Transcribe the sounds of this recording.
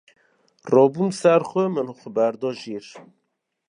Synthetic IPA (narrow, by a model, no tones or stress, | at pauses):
rɔːbumsæɾxʷəmənhxʷəbæɾd̪ɔːʒiːɾ